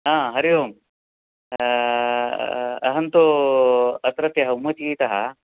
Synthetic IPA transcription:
ɦãːɦɐɾijom | ɐɦɐnt̪u | ɐt̪ɾɐt̪jɐɦɐumɐt̪ikiːt̪ɐɦɐ

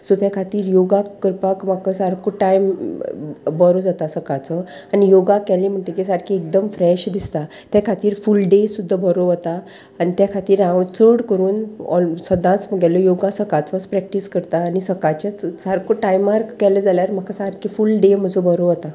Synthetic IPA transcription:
sut̪jakʰat̪iːɾjoɡakəɾpakm̤akəsaɾkʰoʈajm | bəɾod͡zat̪asəkat͡sɔanijoɡakɛlim̤əɳʈekisaɾkʰiek̚d̪əmfɾɛɕd̪ist̪a | t̪jakʰat̪iːɾfulɖesud̪ʱːabəɾoʋət̪aː | ñit̪jakʰat̪iːɾãʋt͡səɽkəɾuːnɔ̰səd̪ʱãt͡sməɡɛlɔjoɡasəkat͡sɔspɾɛk̚ʈiskəɾt̪aːnisəkat͡ɕat͡ssaɾkoʈajmaɾkɛləd͡zaljaɾm̤akasaɾkʰifulɖem̤əd͡zobəɾoʋət̪a

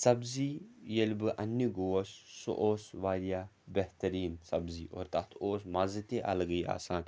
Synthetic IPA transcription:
sɐbzijɐlʲbɨʔɐnːiɡoːsːo̰ʔoːsʋaːlijaː | beht̪ɐɾiːnsɐbziːʔoːɾt̪ɐt̪ʰoːs̬mazɨt̪eʔɐ̰lɡɐja̰ːsaːn

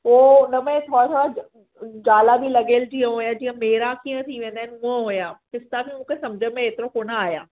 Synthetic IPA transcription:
ɦoːʊnəmẽt̪ʰoːɽat̪ʰoːɽa | d͡ʑaːlabʱilɐɡeːld͡ʑiːə̃ɦoːjad͡ʑiːə̃meːɾakiːə̃t̪ʰiʋẽːnd̪aɦɪnʊ̃ɦə̃ɦoːjaːpɪst̪abʱimũːkʰesɐmd͡ʒʱəmẽeːt̪ɪɾõkoːnaaːja̰ː

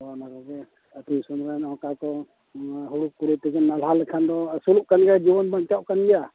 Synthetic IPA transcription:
ɔnakɔɡɛ | ət̪ujsunɾanɔwkakɔ | ɦuɽukuɾɛt̪ɛɡɛnːalalɛkʰand̪ɔsuluʔkanɡɛad͡ʒibɔnbant͡ʃaʔkanɡɛja

